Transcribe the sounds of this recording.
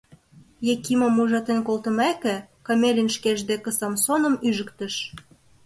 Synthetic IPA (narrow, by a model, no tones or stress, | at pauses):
jekiməmuʒɑt̪enkolt̪ə̆mækĕkɑmʲelʲinʃkeʒd̪ekə̆sɑmsonə̆myʒə̆kt̪ə̆ʃ